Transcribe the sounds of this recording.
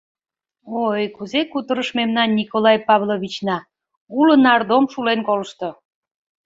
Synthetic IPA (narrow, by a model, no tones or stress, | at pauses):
ojkuzekut̪əɾəʃmemnɑnːikolɑjpɑβlˠoβʲit͡ɕnɑ | ulənɑrd̪omʃulenkoləʃt̪o